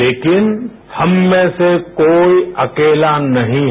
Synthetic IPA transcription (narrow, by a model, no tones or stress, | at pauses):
eːkɪn | hɐmːẽsekoːiɐkeːlanɐɦĩ